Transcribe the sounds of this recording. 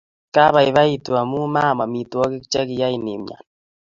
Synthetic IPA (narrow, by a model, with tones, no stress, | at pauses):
ka˦βa˨i˨βa˦i˨tu˨a˨mu˦ma˦˨ma˨mi˨tu˨ɔ˦ɣi˦kt͡ʃɛ˦ɣi˨ja˦i˨ni˨mɲa̰˨n